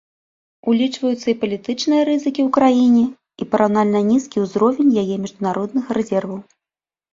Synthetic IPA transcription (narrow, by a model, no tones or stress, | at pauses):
ulʲit͡ʂvɐjut̪sːɐipɐlʲit̪ɨt͡ʂnɨjɐɾɨzɨkʲiwkɾajinʲɛ | ipɐɾawnalʲnɐnʲiskʲiwzɾɔvʲɛnʲjajɛmʲɛʐd̪unaɾɔd̪nɨxrɛzʲɛrvɐw